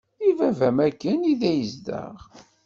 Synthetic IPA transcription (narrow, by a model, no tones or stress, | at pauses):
ivævæmækːəniðæjəzd̪ə̰ʁ